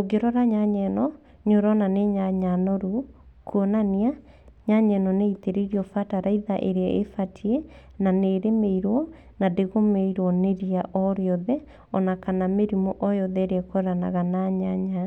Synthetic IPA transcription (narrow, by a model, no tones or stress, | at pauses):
oɡeɾɔɾaɲaɲɛnɔ | ɲoɾɔnaneɲaɲanɔɾu | kʰuɔnania | ɲaɲɛnɔneiteɾiɾjɔfataɾaiðaʔeɾeaʔefatʰiɛ | naneɾemeiɾwɔ | nadeɣomeiɾwɔneɾiaʔɔɾjɔðɛ | ɔnakanameɾimɔʔɔjɔðɛɾeɛkɔɾana̰ɣanaɲaɲa